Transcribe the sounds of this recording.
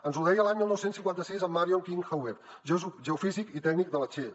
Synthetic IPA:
ənzuðɛjəlaɲmilˠnɔwsensiŋkwant̪əsizəmːaɾioŋkiŋxawɛ | ʒɛufizikit̪ɛɡ̚nik̚d̪ələt͡ʃe

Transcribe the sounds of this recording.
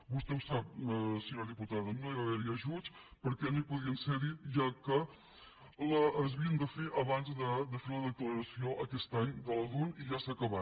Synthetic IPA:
bust̪ɛwsap̚siɲoɾðiput̪aðənoiβaβɛɾiəʒut͡spəɾkɛnoipuðiənseɾiʒakə | ləːzβiənd̪əfeʔəβanzd̪əd̪əfeɾnəðəkləɾəsioʔəkɛst̪aɲd̪ələðuniʒasəkəβa

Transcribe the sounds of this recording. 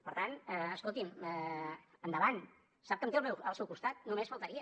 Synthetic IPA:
pəɾt̪anɛəskolˠt̪imɛənd̪əβan | sap̚kəmt̪eəlmɛwəlˠsɛwkust̪at̪̚numesfəlˠt̪aɾiə

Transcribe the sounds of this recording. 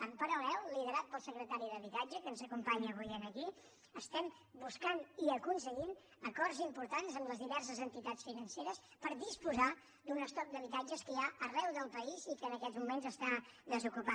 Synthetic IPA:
əmpəɾəlɛlˠliðəɾat̪̚pəlˠsəkɾət̪aɾiðəβit̪ad͡ʒəkənzəkumpaɲəɣujenəki | əst̪ɛm | buskaniəkuns̬əʎin | əkɔrzimpuɾt̪anzəmləzðiβɛrs̬əzənt̪it̪at͡sfinənseɾəspəɾðispuza | d̪unəst̪ɔp̚d̪əβit̪ad͡ʒəskəjaʔərɛwðəlˠpəizikəːnəkɛzmumenzəst̪aðəzukupa

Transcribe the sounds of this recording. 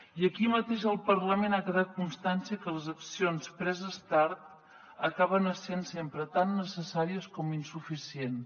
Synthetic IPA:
iəkimət̪eʃəlˠpəɾləmenakəðat̪̚kunst̪ansiəkələzəksionspɾɛzəst̪aɾt̪ | əkaβənəsensempɾət̪anːəsəsaɾiəskɔminsufisien

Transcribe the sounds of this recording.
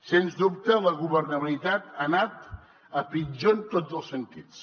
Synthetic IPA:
senzd̪up̚t̪ələɣ̞uβərnəβilit̪at̪anat̪ | əpid͡ʒont̪od͡zəlˠsənt̪is

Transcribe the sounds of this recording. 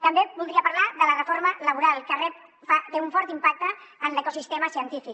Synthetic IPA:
t̪əmbebulˠd̪ɾiəpaɾlaðələrəfoɾmələβ̞uɾalˠkərɛp̚ | fat̪euɱfɔɾt̪impak̚t̪əːnləkusist̪eməsiənt̪ifik̚

